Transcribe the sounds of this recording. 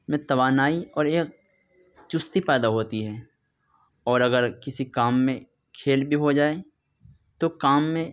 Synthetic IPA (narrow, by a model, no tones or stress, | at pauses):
mẽt̪ɐʋaːnaːiɔːɾeːk̚ | t͡ʃʊst̪ipɛːd̪aɦoːt̪iɦɛː | ɔːɾɐɡəɾkɪsikaːmːẽ | kʰeːlbʱiɦod͡ʒaːe | t̪okaːmːẽ